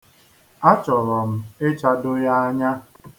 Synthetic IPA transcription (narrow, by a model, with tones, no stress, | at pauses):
a˦t͡ʃɔ˨ɾɔ˨m̩˦e˦t͡ʃa˦dʊ˦ja˦a˦ɲa˦